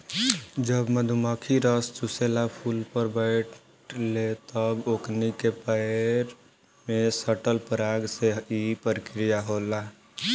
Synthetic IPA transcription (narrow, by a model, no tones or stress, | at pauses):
d͡ʒəbməd̪ʱuməkʰiɾəst͡ʃuselapʰulpəɾbəɪʈ | let̪əboknikepəɪɾ | mesəʈəlpəɾaɡseipəɾəkɾijaɦola